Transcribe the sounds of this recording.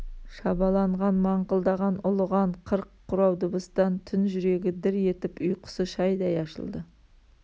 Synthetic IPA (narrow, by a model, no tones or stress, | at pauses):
ʃɑbɑlˠɑɴʁɑnmɑɴqəlˠd̪ɑʁɑnʊlˠəʁɑɴqʰəɾqʰːʊɾɑwd̪ʊbəst̪ɑnt̪ʰʏnʒʏɾe̞ɡʲɪd̪ɪɾje̞t̪ɪpʊjqʰə̥səʃɑjd̪ɑjɑʃə̰lˠd̪ə